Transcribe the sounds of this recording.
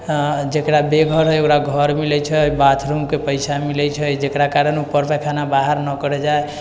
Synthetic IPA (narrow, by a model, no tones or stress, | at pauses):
d͡ʒekɾabeɡʱəɾɦokɾaɡʱəɾmilɛt͡ʃʰəbat̪ʰɾumkepəjsamilɛt͡ʃʰəd͡ʒekɾakaɾənupəɾpɛkʰanabaɦəɾnəkəɾɛd͡ʒae